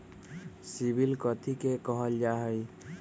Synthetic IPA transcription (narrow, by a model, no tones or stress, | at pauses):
sibilkɔt̪ʰikekɔɦɔld͡ʒaɦɔj